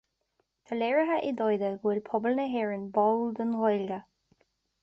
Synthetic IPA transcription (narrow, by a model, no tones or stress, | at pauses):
t̪ʰalɛɹəɦəʔɪd̪ɔjd̪əɡwɪlpʰɔbəlnəɦɛːɹənbɔld̪ənɣɔjlɡə